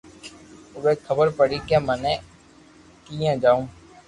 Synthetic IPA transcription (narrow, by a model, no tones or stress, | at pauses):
ʊɡeːkʰəbəɾpəɽiːkemɛ̃nɛ̃ː | kijẽːd͡ʒaːũː